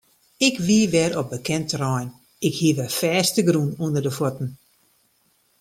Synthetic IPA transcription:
ɪkʋiəʋɛɾobəkɛntrɔjn | ɪkhiəʋəfɛːstəɡɾunundərdəfɔtn̩

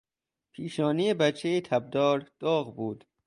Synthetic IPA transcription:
pʰiːʃɒːnijebæt͡ʃʰːejet̪ʰæb̚d̪ɒːɾd̪̥ɒːɣbuːd̪̥

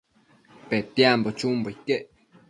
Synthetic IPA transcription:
pet̪jambot͡ʃuːmboikeʔ

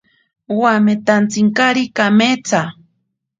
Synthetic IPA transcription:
wamet̪ant͡siŋkaɾikamet͡sa

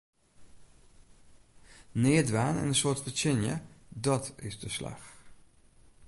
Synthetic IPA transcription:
nɪːədʋaːnɛ̰nənsʊːɹtfət͡ʃɪnjə̰dɑtɪ̰zdəslɑ̰x

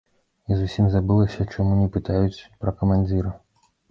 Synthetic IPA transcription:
izusʲimzabɨlˠɐsʲɐt͡ʂamunʲɛpɨt̪ajut͡sʲpɾɐkɐmanʲd͡zʲiɾɐ

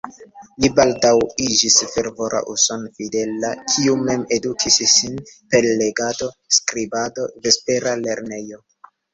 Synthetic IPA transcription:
libaldawid͡ʒisfe̞ɾvo̞ɾʔa̰ʔuso̞nfide̞lakʰiume̞me̞dukʰissinpe̞lle̞ɡado̞skɾibado̞ve̞spe̞ɾale̞ɾne̞jo̞

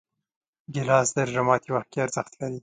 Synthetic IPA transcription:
ɡɪlɑsd̪əɾʒamɑt̪iwaxt̪̚keaɾzəxt̪laɾi

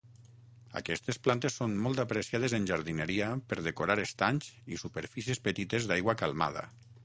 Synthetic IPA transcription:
a̰kɛst̪esplant̪esːonmɔlˠt̪apɾesiað̞ezənʲʒaɾðinəɾiapəɾð̞ekoɾaɾest̪aɲzisupəɾfisiespət̪it̪ezd̪ajɣwakalˠma̰ð̞a̰

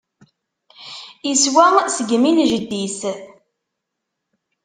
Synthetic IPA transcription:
iswæsəɡminʒəd̪ːiθ

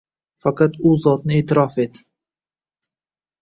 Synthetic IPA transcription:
fɑqɑt̪ʊzɒt̪nɪeːt̪ʰɪɾɒfet̪

